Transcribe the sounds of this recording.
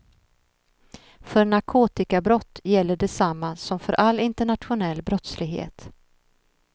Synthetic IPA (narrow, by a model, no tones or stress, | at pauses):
fœɾɳaɾkʰoːt̪ɪkabɾɔt̪ːjɛlːəɖɛsamːasɔmfœɾʔalːɪnt̪əɳat̪ɧʊnɛlːbɾɔt̪slɪɡɦḛːt̪